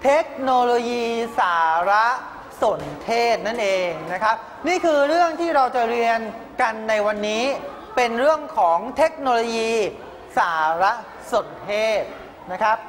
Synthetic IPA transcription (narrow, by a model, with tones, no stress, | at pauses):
t̪ʰe˦˥k̚noː˧loː˧jiː˧saː˩˦ɾa˦˥ | so˩˦nt̪ʰeː˥˩t̪̚na˥˩nʔeː˧ŋna˦˥kʰɾa˦˥p̚ | niː˥˩kʰɯː˧ɾɯ˥˩əŋt̪ʰiː˥˩ɾa˧wt͡ɕa˨˩ɾi˧ən | ka˧nːa˧jwa˧nːiː˦˥ | pe˧nɾɯ˥˩əŋkʰɔː˩˦ŋt̪ʰe˦˥k̚noː˧lo˧jiː˧ | saː˩˦ɾa˦˥ | so˩˦nt̪ʰeː˥˩t̪̚ | na˦˥kʰɾa˦˥p̚